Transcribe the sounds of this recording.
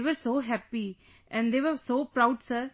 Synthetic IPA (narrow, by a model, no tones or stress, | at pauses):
ʋəɾsoːɦɛpi | ʔɛ̃nɖd̪eːʋəɾsoːpɾaʊɖsəɾ